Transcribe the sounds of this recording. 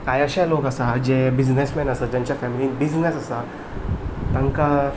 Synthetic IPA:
kajəɕjalokəsad͡ʑebid͡znesmɛnəsəd͡ʑjãɲt͡ɕjafɛmiliːnbid͡znesasa | t̪ə̃ŋka

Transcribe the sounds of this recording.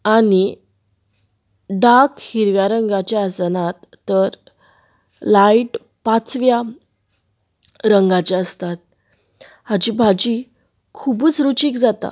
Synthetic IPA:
ani | ɖakhiɾʋjaɾəŋɡat͡ɕaasnat̪ːəɾ | laiʈ | pat͡sʋja | ɾəŋɡat͡ɕeəst̪at̪̚ | had͡ʑibʱad͡ʑi | kʰubuːt͡sɾut͡ɕiːkd͡zat̪a̰

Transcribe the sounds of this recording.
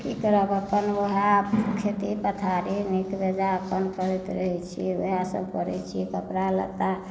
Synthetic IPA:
kikəɾəbəpənoɦabkʰet̪ipət̪ʰaɾinikbed͡ʒaəpːənpəɾɛt̪ɾəɦɛt͡ʃʰḭo̰asə̰bkəɾɛ̰t͡ʃʰikəpɾalə̰t̪a

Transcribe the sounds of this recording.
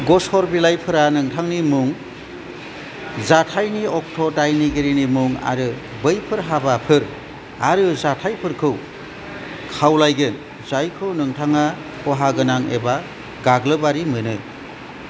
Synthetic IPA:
ɡɔshɔɾbilajpʰɯɾanɯŋtʰaŋnimuŋ | zatʰajniɔk̚tʰɔdajniɡiɾinimuŋa̰ɾɯ | bɯjpʰɯɾɦabapʰɯɾ | aɾɯzatʰajpʰɯɾkʰɯw | kʰawlajɡɯn | zajkʰɯwnɯŋtʰaŋa | kʰɔɦaɡɯnaŋeba | ɡaɡlɯbaɾimɯnɯ

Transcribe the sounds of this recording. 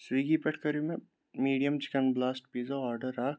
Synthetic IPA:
siːɡipɐʈʰkɐɾimẽ | miːɖijəmt͡ʃɪ̥kənblaːsʈ̚piːzoaːɾɖəɾaː

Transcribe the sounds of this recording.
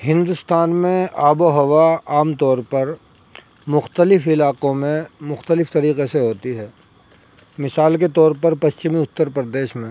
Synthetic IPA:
ɦɪ̃nd̪ʊst̪aːnmẽaːboɦɐʋaaːmt̪ɔːɾpɐɾ | mʊxt̪əlɪfɪlaːqõmẽmʊxt̪əlɪft̪ɐɾiːqeseɦoːt̪iɦɛː | mɪsaːlk̬et̪ɔːɾpɐɾpɐst͡ʃɪmiʊt̪ːəɾpɾd̪eːʃmẽ

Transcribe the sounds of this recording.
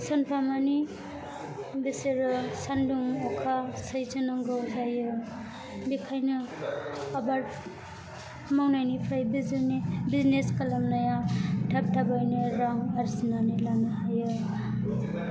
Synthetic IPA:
sɔnpʰamani | biseɾɯsanduŋɔkʰasajzɯnaŋɡɯwtajɯ | bikʰajnɯː | baɾ | mawnajnipʰɾajbiznibizneskalamnajatʰap̚tʰabajneɾaŋaɾsinanilanɯɦajɯ

